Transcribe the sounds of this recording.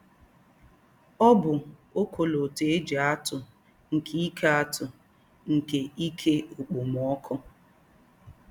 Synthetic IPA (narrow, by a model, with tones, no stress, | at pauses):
ɔ˦bʊ˨o˦kʰo˨lo˨te˨˦e˦d͡ʒa˨a˦tʊ˨ | ŋ̩˨kʰi˦i˦kʰa˦a˦tʊ˨ | ŋ̩˨ke˨i˦kʰe˦o˨k͡po˨m˨ɔ˦kʰɔ˦